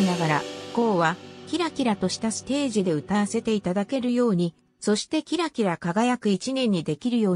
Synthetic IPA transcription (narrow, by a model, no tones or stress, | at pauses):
inaɡaɾako̞ːβakʲiɾakʲiɾat̪o̞ɕi̥t̪asɨ̥t̪e̞ːʑid̪e̞ɯ̟t̪aβase̞t̪e̞it̪ad̪ake̞ɾɯ̟jo̞ːɲ̟i | so̞ɕi̥t̪e̞kʲiɾakʲiɾakaɡajakɯ̟it͡ɕinʲẽ̞ɲ̟ːid̪e̞kʲiɾɯ̟jo̞ː